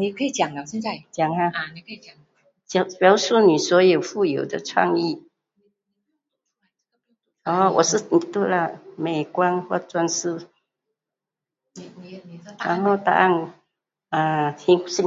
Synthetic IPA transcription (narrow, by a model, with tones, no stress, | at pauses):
ni˨˩kʰə˧˥i˨˩t͡ɕja˨˩ŋa˧˥˧na˥˧t͡ɕja˨˩ŋa˧˨˩ | t͡ɕja˨˩ŋpjɑ˨˧˦ʊsu˥˩ni˨˩swɔ˧˥jo˨˩ʊfu˥˩jo˨˩˦ʊd̪ə˧t͡sʰwa̰˥˧ŋi˥˩ | ɔ˥˩wɔ̰˨˩ʂɻ̩˥˩ni˨˩t̪wu˥˩la˧˨me˨˩ɪkwa˥nxwɔ̰˥˩t͡swa˥˧nsɹ̩˥˩ | ɻa̰˧˦nho˥˧t̪a̰˥˧a˥˩n | a˧t̪ʰi˧˦ŋs